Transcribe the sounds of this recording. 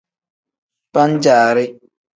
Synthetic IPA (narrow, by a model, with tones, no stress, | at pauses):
pa˦n̩˦d͡ʒaː˨ɾɪ˦